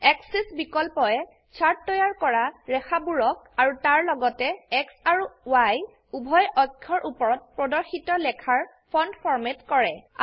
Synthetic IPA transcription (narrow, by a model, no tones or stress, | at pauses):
ɛksisbikɔlpɔɛ | sʰaɹtːɔjaɹkɔɹaɹɛxʰabuɹɔk̚ | aɹutaɹlɔɡɔtɛɛksaɹuwaj | ubʱɔjɔkʰːɔɹʔupɔɹɔt̚pɹɔdɔɹxitɔlɛkʰaɹ | pʰɔndpʰɔɹmetkɔɹɛ